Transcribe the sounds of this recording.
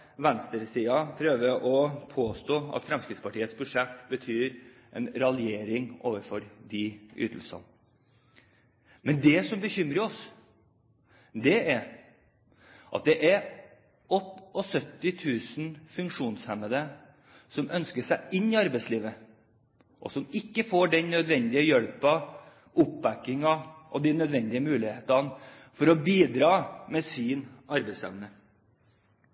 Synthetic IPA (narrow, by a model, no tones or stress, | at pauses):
ʋɛnst̪əɾsiːɑpʰɾøːʋəʔɔpʰoːst̪oːɑ̰t̪fɾɛmskɾɪt̪spʰɑʈiːət̪sbʉʂɛt̪ːbət̪ʰyːɾ | ʔɛ̰nɾɑlɪeːɾɪŋʔo̰ːʋəɾfɔɾd̪ɪʔʏ̰ːt̪ʰl̩sɑ̰n | mɛnd̪ɛsɔmbəçʏmɾəɾɔs | d̪ɛæɾ | ʔɑ̰t̪̚d̪ɛʔæɾ | ɔt̪ːɔsœt̪ːɪt̪ʰʉːsnfʉŋkʂuːnshɛnəd̪ə | sɔmʔœnskəʂæɪʔɪnːɪɑɾbæɪsliːʋə | ʔɔ̰sɔmɪkːəfoːɖɛnnœd̪ʋɛnd̪ɪəjœlpɑ | ʔʊpbækːɪŋɑʔɔ̰d̪ɪnœd̪ʋɛnd̪ɪəmʉːlɪheːt̪ɑnfɔɾɔbiːd̪ɾɑːmɛsiːnʔɑɾbæɪsɛ̰ʋnə